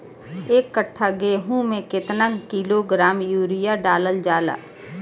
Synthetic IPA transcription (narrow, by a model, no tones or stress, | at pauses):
eːkːəʈʰːaɡeːɦũmẽkɪt̪nəkiloɡɾaːmjuːɾɪjaɖaːləld͡ʒaːla̰ː